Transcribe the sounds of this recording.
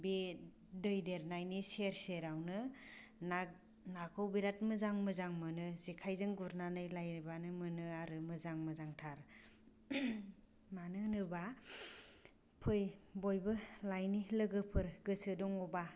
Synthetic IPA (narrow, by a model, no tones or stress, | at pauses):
bi | dɯjdeɾnajniseɾseɾawnɯna | nakʰɯwbiɾatmɯzaŋmɯzaŋmɯnɯzikʰajzɯŋɡuɾnanɯjlajnbanɯmɯnɯaɾɯmɯzaŋmɯzaŋtʰaɾ | manɯnɯba | pʰɯjbojbɯlajnilɯɡɯpʰɯɾɡɯsɯdɔŋɔba